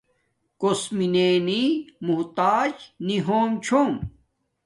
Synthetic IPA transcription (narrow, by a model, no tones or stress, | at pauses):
kosmineːnimuɦt̪aːd͡ʑniɦoːmt͡ɕʰoːm